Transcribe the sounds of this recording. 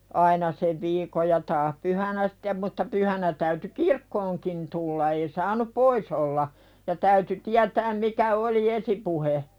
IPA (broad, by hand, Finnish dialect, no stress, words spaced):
ɑinɑ seʋ ʋiːkoj jɑ tɑːh pyhænæ si̥tːem mutːɑ pyhænæ tæyty kirkːoːŋkin tulːɑ ei sɑːnup pois olːɑ jɑ tæyty tiætæːm mikæ oli esipuhe